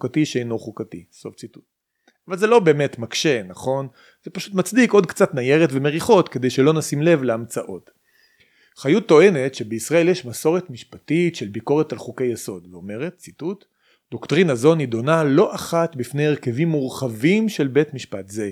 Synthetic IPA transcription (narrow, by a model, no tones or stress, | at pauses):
ukatiʃeejnoχukatiso̞ft͡situ̥t̚ | avalze̞lo̞be̞ːme̞tmakʃe̞naχo̞n | zepaʃutmat͡sdiko̞d̚kt͡satnaje̞ʁetve̞meʁiχo̞tkede̞jʃelo̞nasimle̞vleamt͡saʔo̞t | χajutːo̞e̞ne̞tʃebeisʁae̞ljeʃmaso̞ʁetmiʃpatitʃe̞lbiko̞ʁetalχukejeso̞dveome̞ʁet̚t͡situt | d̪̥oktʁinazo̞nido̞nalo̞ʔaχatbifne̞jeʁkevimːuʁχavimʃe̞lbe̞tmiʃpatze